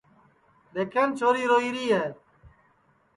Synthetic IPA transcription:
ɗeːkʰeːnt͡ʃʰoːɾiːɾoːiːɾiːɦeː

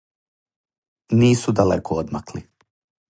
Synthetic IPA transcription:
niːsud̪alḛkʰood̪maklḭ

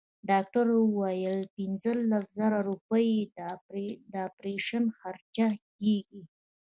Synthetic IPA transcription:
ɖɑk̚ʈaɾwajəlpinzəlaszaɾaɾupəjed̪ | d̪əapɾeʃanxaɾt͡ʃakeɡi

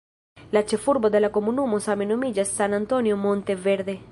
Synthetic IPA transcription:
lat͡ʃefuɾbod̪elakomunumosamenomiʎasːanãnt̪onjomõnt̪eβeɾðe

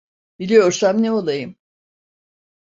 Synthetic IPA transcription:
b̥ilʲijo̞ɾsamneo̞lˠajɯm

